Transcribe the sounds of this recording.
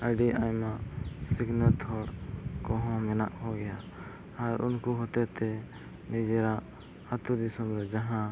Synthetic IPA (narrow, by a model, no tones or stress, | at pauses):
əɖiʔajmasiɡnət̪ʰɔɽkɔɦɔ̃mɛnaʔhɔɡɛja | aɾʔṵnkuɦɔt̪ɛt̪ɛ | nid͡ʒɛɾaʔ | ət̪ud̪isɔmɾɛd͡ʒaɦã